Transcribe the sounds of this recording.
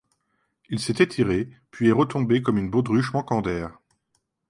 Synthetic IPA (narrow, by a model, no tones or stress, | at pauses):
ilset̪ɛt̪ʰiʁepɥiɛʁət̪ɔ̃bekɔmynbod̪ʁyʃmɑ̃kɑ̃d̪ɛːʁ